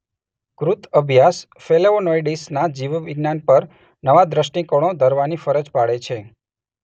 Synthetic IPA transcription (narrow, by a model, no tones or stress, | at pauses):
kɾut̪əbʱjas | feleonojɖisnad͡ʒiʋʋiɡnanpəɾ | nəʋad̪ɾəʃʈĩkoɽ̃õd̪ʱəɾʋanifəɾəd͡ʒpaɽet͡ʃʰe